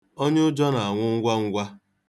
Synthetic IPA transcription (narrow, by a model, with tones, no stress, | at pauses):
o˦ɲe˦ʊ˦d͡ʒɔ˦na˨a˨ŋʷʊ˦ŋ̩˦ɡʷa˦ŋ̩˦ɡʷa˦